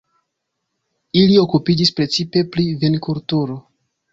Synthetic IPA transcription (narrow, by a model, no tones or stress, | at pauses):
ilio̞kupid͡ʒispɾe̞t͡sipe̞pɾivenkuɾtuɾo